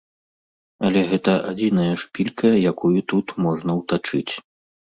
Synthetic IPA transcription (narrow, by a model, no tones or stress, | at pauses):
ɐlʲɛɣɛt̪ɐʔad͡zʲin̪ɐjɐʂpʲilʲkʰɐjakujut̪ut̪mɔʐnɐwt̪at͡ʂɨt͡sʲ